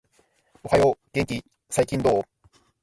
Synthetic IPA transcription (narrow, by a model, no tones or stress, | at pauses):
ohajoɡ̥eŋkʲi | saikʲĩnd̪oː